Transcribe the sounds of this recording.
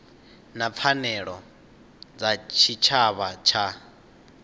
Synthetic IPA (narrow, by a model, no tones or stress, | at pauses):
nap̪fʰanɛɺɔ | d͡zat͡ʃʰit͡ʃʰaβat͡ʃʰa